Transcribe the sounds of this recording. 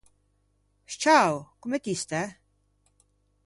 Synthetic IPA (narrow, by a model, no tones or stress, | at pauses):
ʃt͡ʃʰawkʼumɛt̪ist̪ʰɛ